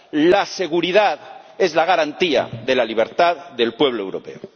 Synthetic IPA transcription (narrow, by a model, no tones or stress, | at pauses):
lase̞ɣ̞uɾiðaðe̞zlaɣaɾant̪ia̰ðe̞laliβ̞e̞ɾt̪aððe̞lpwe̞β̞loewɾo̞pe̞̰o